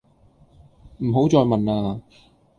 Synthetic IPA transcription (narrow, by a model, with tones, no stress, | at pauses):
m̩˨˩ɦo˨˥wt͡sɔː˧jmɐ˨naː˧